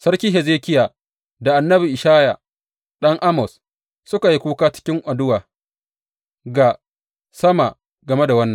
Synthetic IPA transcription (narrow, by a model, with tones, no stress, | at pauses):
sɐ˦ɾkʲiː˦ɦɛ˨zeː˦kʲɪ˦jaː˨ | da˨ʔa˨nːɐ˦bi˨ʔɪ˨ʃaː˦ja̰˨ | ɗɐ˦ŋʔa˦mɔ˨s | sʊ˦ka˨ji˦kʷuː˦kaː˦t͡ʃɪ̥˦kʲɪ˦ŋʔʷa˨dʊ˦waː˨ | ɡa˨ | sɐ˦ma˨ | ɡɐ˨me˦da˨wɐ˦nːɐ˨ŋ